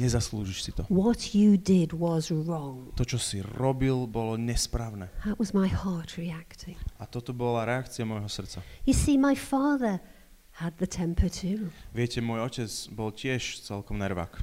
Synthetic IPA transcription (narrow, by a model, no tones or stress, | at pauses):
ɲɛzasluʒiʃsit̪ɔwɒt͡ʃədɪdwʌzɹɔ̃ŋt̪ɔt͡ʃɔsiɾɔbilbɔlɔɲɛspɾaːʊnɛːðəʔwʌzmaɪhɑɹtʰɹiaktʰɪ̃ŋat̪ɔt̪ɔbɔlaɾɛakt͡siamɔjɦɔsr̩t͡sajɨsimaɪfɑːðə˞ | əd̪̚ðɨtʰɛ̃mpʰətʰʉʋɪɛcɛmʊɔjɔcɛd͡zbɔlcɪɛʃt͡sɛlkɔmnaɾʋa̰k